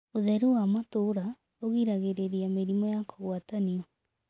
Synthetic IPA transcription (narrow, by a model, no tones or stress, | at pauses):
oðɛɾuwamatoɾa | oɣiɾaɣeɾeɾiameɾimɔjakʰoɣwataniɔ